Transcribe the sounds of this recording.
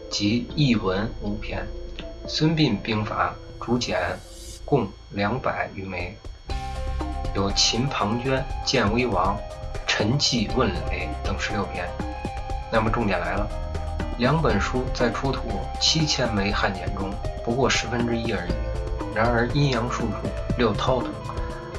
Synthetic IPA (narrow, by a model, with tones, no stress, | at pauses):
t͡ɕi˧˥i˥˩wə˧˥nu˧˥pʰjɛ˧˥nswə˥npi˥˩npi˥ŋfa̰˧˩ | ʈ͡ʂu˧˥t͡ɕjɛ˨˩n | kʊ˥˧ŋ | ljɑ˧˥ŋpa˨˩˦ɪy˧˥me˧˥ɪ | jo˨˩ʊt͡ɕʰi˧˥npʰɑ˧˥ŋt͡ɕɥɛ˥nt͡ɕjɛ˥˩nwe˥ɪwɑ˧˥ŋʈ͡ʂʰə˧˥nt͡ɕi˥˧wə˥˩nli˧˥nme˧˥ɪt̪ɤ˨˩ŋʂɻ̩˧˥ljo˥˩ʊp̪ʰjɛ˥˩n | na˥˩mə˩ʈ͡ʂʊ˥˩ŋt̪jɛ˨˩nla˧˥ɪlə˧ljɑ˧˥ŋpə˨˩nʂu˥t͡sa˥˩ɪʈ͡ʂʰu˥t̪ʰu˨˩˦ | t͡ɕʰi˥t͡ɕʰjɛ˥nme˧˥ɪxa˥˩njɛ˧˥nʈ͡ʂʊ˥ŋpu˧˥kwɔ˥˩ʂɻ̩˧˥fə˥nʈ͡ʂɻ̩˥i˥ə˞˧˥ḭ˨˩ɻa˧˥nə˞˧˥i˥njɑ˧˥ŋʂu˥˩ʈ͡ʂʰu˥˩ljo˥˩ʊt̪ʰɑ˥ʊt̪ʰʊ˧˥ŋ